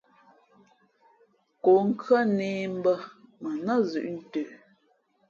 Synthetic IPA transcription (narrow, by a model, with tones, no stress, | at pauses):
ko˨ŋ̩˦kɰə˦˨neː˨m̩˦bə˦mə˨nə˦˨zʉ̰˨ʔn̩˦tø˨